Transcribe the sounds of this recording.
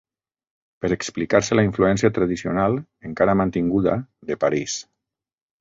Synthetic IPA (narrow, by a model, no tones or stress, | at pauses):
pəɾeksplikaɾselaiɱfluɛnsiat̪ɾaðisionalˠeŋkaɾamant̪iŋɡuða̰ðepaɾis